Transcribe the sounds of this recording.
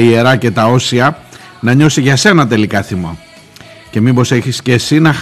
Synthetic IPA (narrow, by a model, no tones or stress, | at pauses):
ie̞ɾɐce̞t̪ɐo̞siɐ | nɐɲo̞siʝɐse̞nɐt̪e̞likɐθimo | ce̞mibo̞seçiscesinɐx